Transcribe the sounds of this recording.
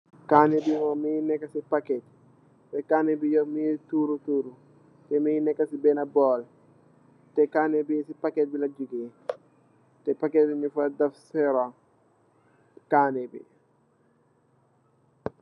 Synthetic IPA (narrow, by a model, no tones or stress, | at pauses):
kanebimaminɛkːɐsipakɛt̪ | tɛkanebijɔmituːɾutuːɾu | tɛminɛkːɐsibɛnɐbɔːl | tɛkanɛbisipakɛt̪̚bilɐd͡ʒuɡe | tɛpakɛtɲufɐdɐfsɛɾa | kanebḭ